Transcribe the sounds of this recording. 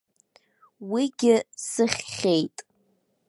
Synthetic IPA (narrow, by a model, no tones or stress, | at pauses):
wiɡʲɪsɨχʲːejtʼ